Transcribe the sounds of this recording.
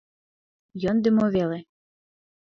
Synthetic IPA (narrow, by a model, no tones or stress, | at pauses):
jɤnd̪ɘ̆moβele